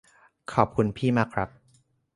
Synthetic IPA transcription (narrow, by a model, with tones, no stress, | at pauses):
kʰɔː˨˩p̚kʰu˧npʰiː˥˩maː˥˩kʰɾa˦˥p̚